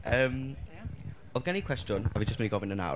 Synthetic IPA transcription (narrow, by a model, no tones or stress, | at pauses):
əːm | ɔðɡanikʰw̥ɛstjʊnavid͡ʒəstɛniɡɔvɪnəna̰